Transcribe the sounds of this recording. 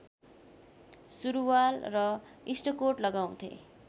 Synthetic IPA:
suɾuwalrʌisʈʌkoʈlʌɡaw̃t̪ʰḛ

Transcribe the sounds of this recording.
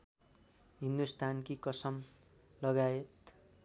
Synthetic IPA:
ɦind̪ust̪ʰankikʌsʌm | lʌɡaet̪

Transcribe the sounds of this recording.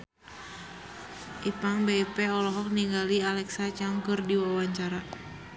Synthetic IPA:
ʔipaŋbepɛɔlɔɦɔk̚niŋɡalialɛksat͡ʃaŋkɨrdiwawaɲt͡ʃaɾa

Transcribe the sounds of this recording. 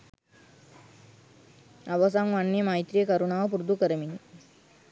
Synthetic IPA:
ɐʋɐsaːŋʋaɳːimaːjit̪ɾijekɐɾuɳaːʋɐpuɾd̪ukɐɾɐmini

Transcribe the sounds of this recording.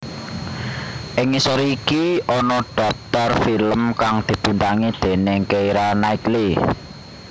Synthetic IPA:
ʔɪŋisɔɾikiʔɔnɔɖ̥ɔ̤p̚t̪ɔrfiləmkaŋd̪̥i̤b̥i̤nt̪aŋid̪̥e̤neŋkeiɾanaik̪li

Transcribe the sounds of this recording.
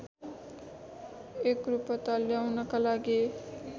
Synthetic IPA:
ekɾupʌt̪aljawnʌkalaɡi

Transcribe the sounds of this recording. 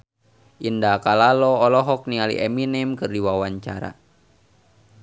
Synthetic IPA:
ʔindakalalɔːlɔɦɔk̚nialḭʔɛminimkɨrdiwawaɲt͡ʃa̰ɾa̰

